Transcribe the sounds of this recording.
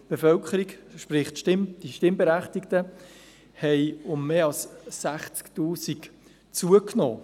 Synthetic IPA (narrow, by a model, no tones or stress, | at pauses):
b̥efœlkχəɾikʃpɾɪχtʃtɪmd̥iʃtɪmbeɾæχtiktə | hɛɪʊmːeːɑlsːæχt͡sktuːsik | t͡suəkno̰ː